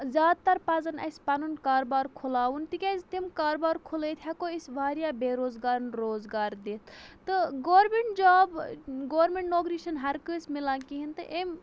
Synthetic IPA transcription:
zʲaːd̪̚t̪ɐɾpazɐnɐ̰sʲpanunkaːɾbaːɾkʰulaːwunt̪ikʲɐzt̪imkaːɾbaːɾkʰulət̪ʰʲjakoisʋaːɾjabeɾoːzɡaːɾnɾoːzɡaːɾd̪et̪ʰt̪ɨɡoːɾmeɳʈd͡ʒaːbɡoːʋɾmeɳʈnoːɡɾiʃɐnɦɐɾkɨːsmilãːkiɦint̪ɨʔem

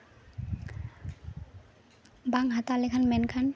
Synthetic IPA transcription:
baŋɦat̪alekʰanmɛnkʰan

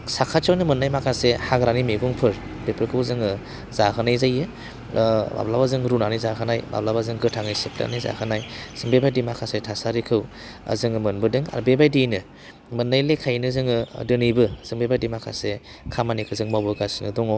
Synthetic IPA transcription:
sakʰat͡ʃɔwnɯmɯnːajmakʰasehaɡɾanimeɡuŋpʰɯɾ | bepʰɯɾkʰɯwzɯŋɯ | zakʰɯnajzajɯ | ba̰blabazɯŋɾunanijzakʰɯnajba̰blabazɯŋɡɯtʰaŋɯjsepʰla̰niza̰kʰɯnajz̥ɯŋbebajdimakʰasetʰasaɾikʰɯw | a̰zɯŋɯmɯnbɯdɯŋa̰ɾbebajdijnɯ | mɯnːajlekʰajnɯzɯŋɯdɯnibɯz̥ɯŋbebajdimakʰa̰se | kʰamanikʰɯzɯŋmabɯɡasinɯdɔŋɔ

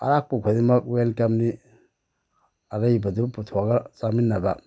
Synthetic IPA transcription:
a̰ɾak̚puɡʰadimakwelkamni | aɾaibaduputʰuaɡasaminːaba

